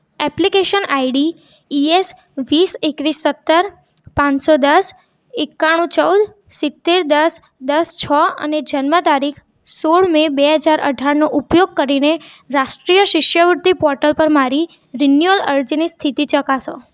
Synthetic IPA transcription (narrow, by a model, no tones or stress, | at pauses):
ɛplikeʃənaiɖi | ies | ʋisekʋisːət̪ːəɾ | pãt͡ʃsod̪əs | ekːaɽ̃ũt͡ʃəwd̪ | sɪt̪ːeɾd̪əs | d̪əst͡ʃʰəə̰ned͡ʒənmət̪aɾikʰ | soɭmebeɦəd͡ʒaɾʔə̰ɖʱaɾnoʔupjoɡ̚kəɾine | ɾaʃʈɾijəʃɪʃjəʋʊɾt̪ipɔɾʈəlpəɾmaɾi | ɾinjuələɾd͡ʒinist̪ʰit̪it͡ʃəkaʃo̰